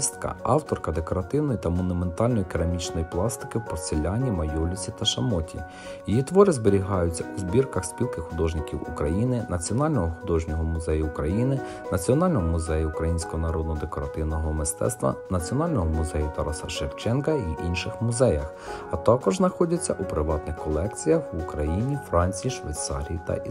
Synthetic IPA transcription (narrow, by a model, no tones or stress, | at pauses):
st̪kɐ̰ɑwt̪ɔrkɐd̪e̞kɔɾɐt̪ɪwnɔjit̪ɐmɔnʊme̞nt̪ɑlʲnɔjikeɾɐmʲit͡ʃnɔjiplˠɑst̪ɪ̥kɪwpɔsʲelʲɑnʲimɐjulʲʊt͡sʲit̪ɐʃɐmɔtʲʰḭ | jijit̪ʋɔɾɪzbeɾʲiɦɑjʊt͡sʲːɐuzbʲirkɐxsʲpʲilˠkɪxʊd̪ɔʒnɪkʲiwukɾɐjinɪnɐt͡sʲiɔnɑlʲnɔɦɔxʊd̪ɔʒnʲɔɦɔmʊzɛjʊːkɾɐjinɪ | nɐt͡sʲiɔnɑlʲnɔɦɔmʊzɛjʊʊkɾɐjinʲsʲkɔɦɔnɐɾɔd̪̚nɔd̪ekɔɾɐt̪ɪwnɔɦɔmɪst̪ɛ̰t̪st̪ʋɐ̰nɐt͡sʲiɔnɑlʲnɔɦɔmʊzɛjʊt̪ɐɾɔsɐʃewt͡ʃɛnkɐiʔinʃɪxmʊzɛjɐx | ɐt̪ɑkɔʒznɐxɔdʲɐt͡sʲːɐʔupɾɪʋɑt̪nɪxkɔlˠɛk̚t͡sʲijɐxukɾɐjinʲifɾɑnʲt͡sʲijiʃʋɐ̰jt̪sɑ̰ɾʲijit̪ɐ̰